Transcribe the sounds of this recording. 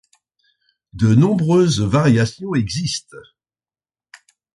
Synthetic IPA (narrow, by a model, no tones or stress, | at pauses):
d̪ənɔ̃bʁøzvaʁjasjɔ̃ɛɡzist̪